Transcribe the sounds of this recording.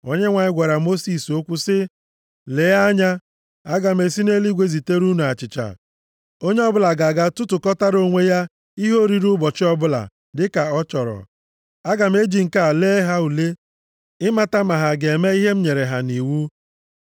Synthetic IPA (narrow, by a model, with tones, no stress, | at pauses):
o˦ɲe˦ŋʷa˨ɲɪ˦ɡʷa˨ɾa˨mo˦si˨so˦kʷʊ˦sɪ˦ | le˨˦ja˦ɲa˦ | a˦ɡa˨m̩e˨si˦ne˦li˦ɡʷe˦zi˨te˦ɾu˦nu˨a˨t͡ʃɪ˨t͡ʃa̰˨ | o˦ɲe˦ɔ˦bʊ˦la˨ɡa˨ɡa˦tʊ˦tʊ˨kɔ˦ta˦ɾo˦ŋʷe˦ja˦ | i˦ɦo˦ɾi˨ɾu˦bɔ˨t͡ʃɪ˦ɔ˦bʊ˦la̰˨ | dɪ˦ka˨ɔ˦t͡ʃɔ˨ɾɔ̰˨ | a˦ɡa˨m̩˦e˦d͡ʒi˨ŋ̩˨ka˨a˨leː˦ɦa˦u˨le˦ | ɪ˦ma˨ta˦ma˨ɦa˨ɡe˨me˦i˦ɦe˦m̩˦ɲe˨ɾe˨ɦa˨ni˨wu˦